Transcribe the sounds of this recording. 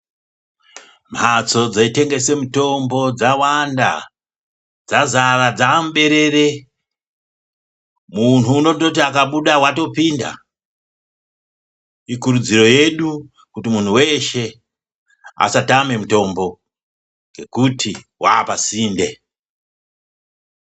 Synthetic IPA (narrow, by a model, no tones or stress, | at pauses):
m̤at͡so̞d͡zaite̞ŋɡe̞se̞muto̞mbo̞d͡zawanda̰ | d͡zazarad͡zaːmuɓe̞ɾe̞re | mun̤uːno̞tot̬iakaɓuɗawato̞pinda̰ | ikuɾud͡ziro̞je̞ɗu | kutimun̤uwe̞ʃe̞ | a̰satame̞muto̞mbo̞ | ŋɡe̞kutʰiwaːpasiːnde̞